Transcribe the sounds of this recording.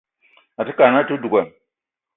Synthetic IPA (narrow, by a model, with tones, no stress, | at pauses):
a˨ti˦ka˨na˦tu˦du˨ka˨